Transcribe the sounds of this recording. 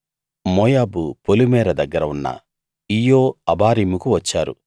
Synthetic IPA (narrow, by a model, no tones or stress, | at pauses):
moːjaːbupolumɛːɾɐd̪ɐɡːɐɾɐunːɐ̰ | ijoːɐbaːɾiːmukuʋɐt͡ʃːaːɾṵ